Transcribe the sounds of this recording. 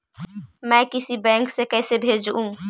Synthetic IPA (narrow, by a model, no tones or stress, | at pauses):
mɛ̃kɪsibɛ̃ŋksekɛːsebʱeːd͡ʒũ